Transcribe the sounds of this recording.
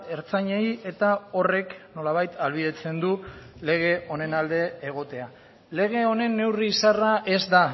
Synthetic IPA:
e̞ɾt͡saɲeje̞t̪ao̞re̞kno̞laβajt̪alβ̞iðe̞t͡se̞nd̪ule̞ɣ̞e̞o̞ne̞nald̪e̞ːɣ̞o̞t̪e̞a | le̞ɣ̞e̞o̞ne̞nːe̞wriːsaraʔe̞zd̪a

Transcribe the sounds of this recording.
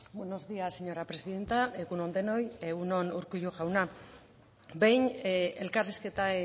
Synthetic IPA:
bweno̞zðiaseɲo̞ɾapɾe̞siðe̞nt̪aeɣuno̞nd̪e̞no̞jeɣuno̞nuɾkuʎuʝawna | bejne̞lkariske̞t̪a

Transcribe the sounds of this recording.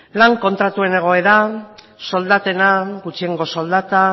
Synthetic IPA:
laŋko̞nt̪ɾat̪ue̞ne̞ɣ̞o̞e̞ða | so̞ld̪at̪e̞naɡut͡ʃieŋɡo̞so̞ld̪at̪a

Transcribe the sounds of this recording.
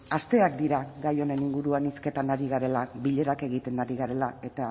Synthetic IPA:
ast̪e̞ak̚d̪iɾaɣajo̞ne̞niŋɡuɾuaniske̞t̪anaɾiɣ̞aɾe̞laβiʎe̞ɾake̞ɣ̞it̪e̞nːaɾiɣaɾe̞lae̞t̪a

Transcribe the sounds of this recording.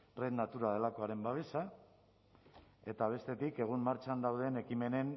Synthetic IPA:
renat̪uɾað̞e̞lakoaɾe̞mbaβ̞e̞sa | e̞t̪aβ̞e̞st̪e̞t̪ike̞ɣ̞ummaɾt͡ʃand̪awð̞e̞ne̞kime̞ne̞n

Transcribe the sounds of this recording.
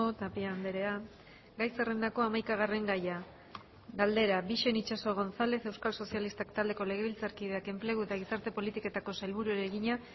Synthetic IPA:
ot̪apiand̪e̞ɾe̞a | ɡajsere̞nd̪ako̞amajkaɣ̞are̞ŋɡaja | ɣald̪e̞ɾaβiʃe̞nit͡ʃaso̞ɣ̞o̞nθale̞θe̞wskalso̞sialist̪akt̪ald̪e̞ko̞le̞ɣ̞e̞βilt͡saɾkið̞e̞ake̞mple̞ɣ̞ue̞t̪aɣ̞isaɾt̪e̞po̞lit̪iko̞t̪ako̞salβuɾueɾeɣiɲa

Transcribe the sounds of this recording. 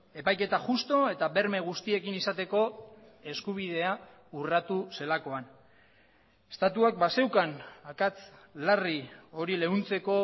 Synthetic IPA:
e̞pajke̞t̪aʝust̪o̞e̞t̪aβe̞ɾme̞ɣ̞ust̪ie̞kinisat̪e̞ko̞ | e̞skuβ̞ið̞e̞a | urat̪use̞lako̞an | e̥st̪at̪uak̚base̞wkanakat͡slario̞ɾile̞unt͡se̞ko̞

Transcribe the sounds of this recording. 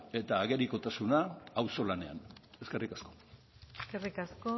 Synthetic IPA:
e̞t̪aːɣe̞ɾiko̞t̪asunaːwso̞lane̞a̰ne̞ske̞rikasko̞̥ | eskerikasko

